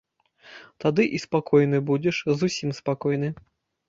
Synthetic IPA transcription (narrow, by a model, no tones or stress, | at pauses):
t̪ad̪ɨʔispakɔjnɨbud͡zʲɛʂzusʲimspakɔjnɨ